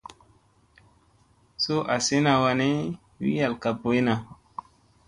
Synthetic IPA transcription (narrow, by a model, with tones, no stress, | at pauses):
so˦ʔa˨se˦na˨wa˧ne˦ | wḭ˦ja˨lka˨po˨i˦na˨